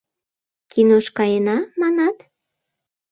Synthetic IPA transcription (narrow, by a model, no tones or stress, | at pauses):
kinoʃkɑjenɑmɑnɑt̪